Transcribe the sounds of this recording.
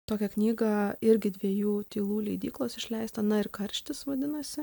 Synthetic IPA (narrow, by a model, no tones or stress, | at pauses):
t̪oːkʲɛknʲiːɡɐɪɾʲɡʲɪd̪ʲʋʲiɛjuːt̪ʲiːlˠuːlʲɛɪd̪ʲiːklˠoːsɪʃʲlʲɛɪst̪ɐnɐɪɾkɐɾʲʃʲt̪ʲɪsʋɐd̪ʲɪnɐsʲɪ